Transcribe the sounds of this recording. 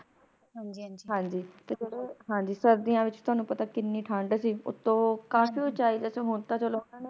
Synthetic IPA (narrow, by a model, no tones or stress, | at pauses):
ɦad͡ʒɦãːd͡ʒiːt̪eːd͡ʒeːɽeːɦãːɲd͡ʒiːsəɾd̪ijãːʋɪt͡ʃt̪ʊɦaːnũːpət̪aːkɪnːiːʈʰãːɳɖsiːʊ̰t̪ːõːkaːfiːoːt͡ʃaːiːd̪ɛːsoːɦʊnt̪aːt͡ʃəloːaːne